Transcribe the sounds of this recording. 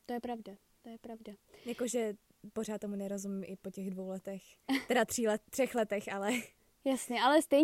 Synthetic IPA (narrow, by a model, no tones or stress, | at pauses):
t̪ojɛpɾavda | t̪ojɛpɾavdajako̞ʒɛ | por̝aːt̪ːomunɛɾo̞zumɪmʔɪpo̞cɛɣdvowlɛt̪ɛx | t̪ɛdat̪r̥iːlɛt̪ːr̥ɛxlɛt̪ɛxalɛ | jasɲɛʔalɛst̪ɛj